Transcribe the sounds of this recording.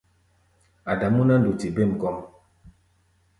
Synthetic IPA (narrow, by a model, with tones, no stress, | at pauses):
a˨da˨mu˦na˦n̩˦du˨ti˨be˦˨m˨kɔ˦ŋ